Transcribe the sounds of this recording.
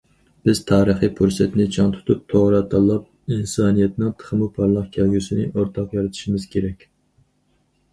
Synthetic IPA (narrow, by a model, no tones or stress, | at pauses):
b̥ɪz̥t̪ʰɑːɾəχipʰuɾsɛt̪nɪt͡ʃʰɑŋt̪ʰu̥t̪ʰup̚t̪ʰoʁɾɑt̪ʰɑlˠːɑp̚ | insɑːnijɛt̪nɪŋt̪ʰə̥χmupʰɑɾlˠɑqkʲʰɛlɡʲysɪnɪʔoɾt̪ʰɑqjɑɾɨt̪ʰu̥ʃimɪz̥kʲʰeɾɛkʲ